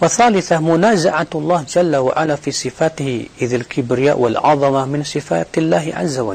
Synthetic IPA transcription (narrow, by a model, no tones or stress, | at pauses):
waθaːlɪθamʊnaːzaʕaɑlˤːɑːhd͡ʒalːawa̰ʕalafiːsˤɨfaːt̪ɪhɪʔɪðalkʰɪbɾɪja̰ːʔwalʕɑðˤɑmamɪnsˤɨfa̰ːt̪lːaːɦʕa̰zːawa